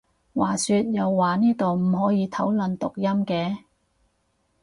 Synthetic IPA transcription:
waː˨˩syː˧t̚jɐ˨wːaː˨˩niː˥t̪o˨wm̩˨˩ɦɔː˨˥jiː˨˧t̪ʰɐ˨˥wlɵ˨nt̪ʊ˨k̚jɐ˥mkɛː˧

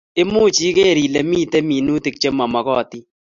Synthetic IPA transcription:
e˦muː˦t͡ʃi˦ke˦˨ɾi˨le˨miː˦te˦mi˨nu˦ti˨k̚t͡ʃe˦ma˨ma˨kɔ˦˨ti˦

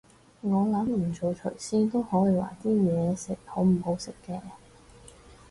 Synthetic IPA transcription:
ŋɔː˨˧lɐ˨˥mm̩˨˩t͡so˨wt͡ʃʰɵ˨˩jsiː˥nt̪o˥whɔː˨˥jiː˨˧wa̰ː˨˩t̪iː˥jɛː˨˧sɪ˨k̚ho˨˥wm̩˨˩ho˨˧wsɪ˨kːɛː˧

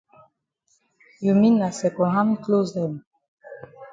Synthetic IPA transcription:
ju˨mi˦na˨sɛ˨kɔ̃˨ɦã˦m˦klo˦zɛ˨m

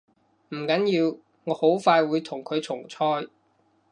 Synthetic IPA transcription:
m̩˨˩kɐ˨˥njiː˧w | ŋɔː˨˧ho˨˥wfaː˧jwuː˨˧jt̪ʰʊ˨˩ŋkʰɵ˨˧ɥt͡sʰʊ˨˩ŋt͡sʰɔː˥j

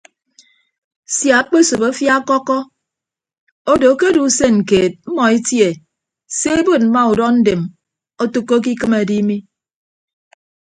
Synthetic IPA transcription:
sja˨˦k͡pe˦so˨bo˦fja˦kɔ˦kɔ˦ | o˦do˨˦ke˦du˨˦se˦ŋ̩˨keː˨t̚m̩˦mɔ˨e˦tje˨ | se˦e˦bo˦˨t̚m̩˦ma˦u˨dɔ˦n̩˦de˨m | o˦tu˦kːo˦k̬i˦kɨ˦me˨di˦mi˦

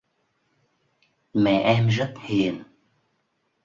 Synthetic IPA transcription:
mɛ̰˧˨ʔɛ˧mzə˦˥t̚hi˨˩ən

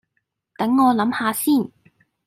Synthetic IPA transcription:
t̪ɐ˨˥ŋːɔː˨˧lɐ˨˥mhaː˧siː˥˩n

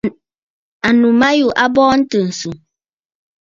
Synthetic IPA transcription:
a˨nu˨ma˦ju˦˨ʔa˦bɔː˦n̩˦tɨ˨n̩˨su˨

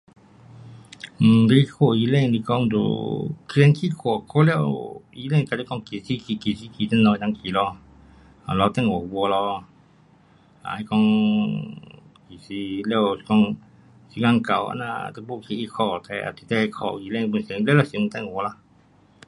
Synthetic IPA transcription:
m̩˨de˧i˧kʰo˧˨ji˧˦lɛ˧ŋli˧kɔ˧ŋd̪o̰˨knkʰi˧˦kʰɔ˧˨kʰo˦lɛ˧wi˧˦lɛ˧ni˧a˨˧i˧˦kɔ˧ŋ˧ki˨si˧ki˧˨ki˨˩˨si˧˦ki˨t̪ə˧˦nɔ˧tã˧ŋkʰi˨lɔ˧ | a˨lɔ˧t̪ɛ˧˨ŋ˨ɔ˨wɔ˧lɔ˧ | a̰˨i˧kɔ˧ŋ | ki˨si˧lɛ˧wskɔ˧ŋ | si˧ŋa˧ŋ˧ka̰˨wa̰˧˦na̰˧˨t̪ə˧bo˧˨kʰi˧ʔi˧kʰɔ˧˨t̪ɛ˧˨a̰˧˨t̪i˨t̪ɛ˧hkʰɔ̰˧˨˧i˧˨lɛ˧ŋ˧bu˧se˧˨˧lɛ˧˦lɔ˧si˨˧m̩u˧t̪ɛ˧˨ŋ˨wɔ˧la˧

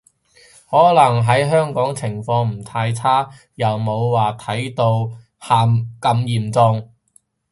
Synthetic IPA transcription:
hɔː˨˥lɐ˨˩ŋɦɐ˨˥jɦœː˥ŋkɔː˨˥ŋt͡sʰɪ˨˩ŋfɔː˧ŋm̩˨˩t̪ʰaː˧jt͡sʰaː˥ | jɐ˨wmo˨˧wwaː˨t̪ʰɐ˨˥jt̪o˧w | haː˨˧mkɐ˧mjiː˨mt͡sɔ˧ŋ

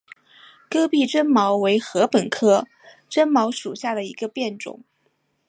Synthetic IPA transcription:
kɤ˥pi˥˩ʈ͡ʂə˥nmɑ˧˥ʊwe˧˥ɪxɤ˧˥pə˨˩nkʰɤ˥ | ʈ͡ʂə˥nmɑ˧˥ʊʂu˨˩ɕja˥˩d̪ə˩ḭ˧˥ɡə˧pjɛ˥˩nʈ͡ʂʊ̰˨˩˦ŋ

